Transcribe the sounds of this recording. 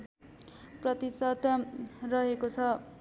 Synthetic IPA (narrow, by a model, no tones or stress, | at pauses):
prʌt̪isʌt̪rʌɦekot͡sʰʌ